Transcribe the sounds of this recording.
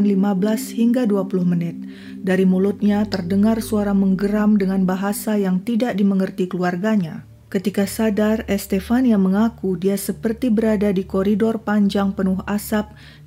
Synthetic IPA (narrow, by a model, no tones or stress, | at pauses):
nlimabəlashiŋɡaduapulʊhmənɪt̪̚ | daɾimulʊt̪̚ɲat̪ərdəŋarsuaɾaŋməŋɡəɾamdəŋanbaɦasajaŋt̪idaʔ̚diməŋərt̪ikəluarɡaɲa | kət̪ikasadarɛst̪ɛfaniaməŋakudiasəpərt̪ibəɾadadikoɾidɔrpaɲd͡ʒaŋpənʊɦasap̚